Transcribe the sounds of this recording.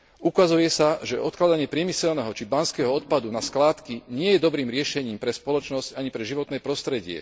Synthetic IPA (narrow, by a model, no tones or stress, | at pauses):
ukazujɛsaʒɛʔɔt̪klad̪aɲɪɛpɾɪɛmisɛlnɛɦɔt͡ʃibanskɛɦɔɔt̪̚pad̪unasklaːt̪kiɲɪɛjɛd̪ɔbɾiːmɾɪɛʃɛɲiːmpɾɛspɔlɔt͡ʃnɔscaɲipɾɛʒiʋɔt̪nɛːpɾɔst̪ɾɛɟɪɛ̰